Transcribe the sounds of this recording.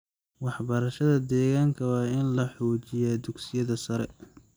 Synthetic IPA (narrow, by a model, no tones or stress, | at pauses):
wɑħbɐɾɐʃɐðɐd̪ɛːɣaːŋkʰɐwɑːɪnlɐħɔːt͡ʃɪjɛd̪ʊɡsɪjɐðɐsɐɾɛ